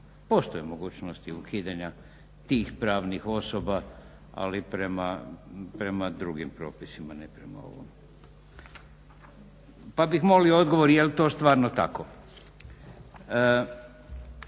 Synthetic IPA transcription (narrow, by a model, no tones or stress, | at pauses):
po̞ːst̪ojemo̞ɡuːt͡ɕnost̪iukʰiːd̪aɲa | t̪iːxpɾaːʋnixo̞soba | a̰lipɾemapɾe̞mad̪ɾuɡimpɾo̞ːpisimanepɾe̞ma̰o̞̰ʋo̰m | pabixmo̞liood̪ɡoʋoɾjelt̪oːst̪ʋaːɾnot̪a̰ko